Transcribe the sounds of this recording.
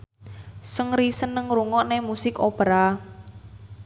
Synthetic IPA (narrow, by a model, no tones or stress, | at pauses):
səŋɾisənːəŋɾuŋɔʔnemusɪkopəɾa